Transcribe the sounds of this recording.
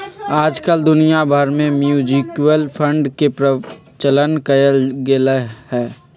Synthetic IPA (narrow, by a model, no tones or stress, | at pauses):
aːd͡ʒkəld̪ʊnijabʱəɾmẽmjuːd͡ʒikwəlpʰə̃ɳɖkepɾə | t͡ʃələnkəjəlɡelehɛː